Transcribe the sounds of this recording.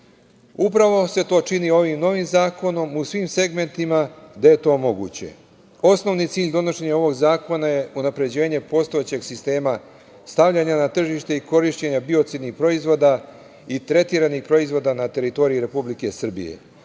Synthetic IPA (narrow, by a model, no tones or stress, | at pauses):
upɾaʋo̞se̞t̪o̞ːt͡ʃinio̞ʋimno̞ʋimzaːko̞no̞musʋimse̞ɡme̞nt̪imad̪aje̞t̪o̞ːmo̞ɡṵːt͡ɕe̞̰ | o̞sno̞ʋnit̪siːʎʲd̪o̞no̞ʃe̞ɲao̞ʋo̞ɡzaːko̞naje̞unapɾe̞d͡ʑe̞ːɲe̞po̞st̪o̞et͡ɕe̞ɡsist̪e̞ːma | st̪aʋʎaɲanat̪r̩ʒiʃt̪e̞iko̞ɾiʃt͡ɕe̞ɲabio̞t̪sid̪nixpɾo̞izʋo̞ːd̪a | it̪ɾe̞t̪iːɾanixpɾo̞izʋo̞d̪anat̪e̞ɾit̪o̞ɾiiɾe̞publike̞sr̩bḭje̞̰